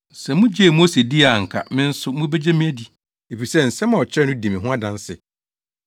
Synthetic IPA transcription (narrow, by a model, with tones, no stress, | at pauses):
sɛ˨mʊ̃˦d͡ʑɛ˦˨mo˦se˨di˦a˨ŋ̩˨kʰa̰˨mɪ̃˦n̩˦sʊ˦mũ˦bɛ˦d͡ʑɛ˦mĩ˦æ˦di˨ | e˨fi˨sɛ˦n̩˨sɛ˦mã˨ɔ˨t͡ɕʰɾɛ˦nʊ̃˦dĩ˨mĩ˨ɦʊ̃˦a˦dã˦n˦sɪ̰˨